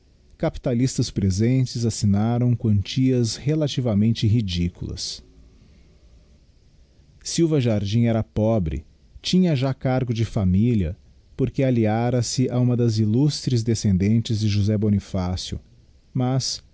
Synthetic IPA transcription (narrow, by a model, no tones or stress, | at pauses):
kapi̥t̪alist̪ɐspɾezẽt͡ʃɪzasinaɾɐ̃w̃kwɐ̃nt͡ʃiɐshelat͡ʃivɐmẽnt͡ʃɪɦid͡ʒikulɐ̰s | iwvɐʒaɾd͡ʒĩɛɾɐpɔbɾɪ̰ | t͡ʃĩɲɐʒakaɾɡʊd͡ʒɪfamiliɐ̰ | poɾkealiaɾɐsɪʔaũmɐd̪ɐzilust̪ɾɪzd̪esẽnd̪ẽnt͡ʃɪzd͡ʒɪʒuzɛbonifasjʊ̰ | mɐs